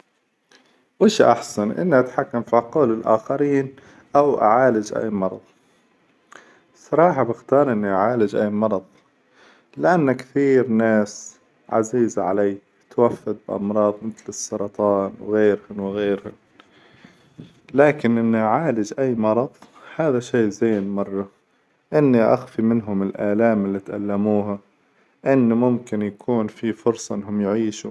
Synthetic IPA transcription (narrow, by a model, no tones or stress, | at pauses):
wɪʃʔa̰ħsanʔɪ̰nːiʔat̪ħakːamfiɑquːlɪlʔa̰ːxaɾiːn | ʔawʔa̰ʕaːlad͡ʒʔa̰jːmɑɾˤɑ̰ðˤ | sˤɑɾˤɑːħɑbɪxt̪ɑːɾˤʔɪnːiʔaʕaːlɪd͡ʒʔaːmɑɾˤɑðˤ | lɪʔanːakθiːɾnaːs | ʕa̰ziːzaʕalaː | t̪wafːad̪̚bɪʔɑ̰mɾˤɑːðˤmɪθlɨsˤːɑɾˤɑt̪ˤɑːnwɣeːɾhʊnwɪɣeːɾhʊn | laːkɪnʔɪnːiʕaːlɪd͡ʒʔajːmɑɾˤɑðˤhaːðaʃeːzeːnmɑrˤːɑ | ʔɪnːiʔa̰xfimɪnɦʊmɪlʔaːlaːmɪlːit̪ʔa̰lːamuːɦa | ʔɪnːmʊmkɪnjakʰuːnfifʊɾsˤɑʔɪnːɦʊmjʕiːʃu